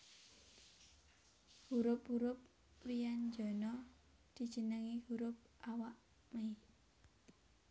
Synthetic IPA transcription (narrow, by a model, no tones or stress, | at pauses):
huɾʊpɦuɾʊp̚ | rijand͡ʒɔnɔ | d̪̥i̤d̥ʒ̥ə̤nəŋihuɾʊp̚ʔawaʔ | mej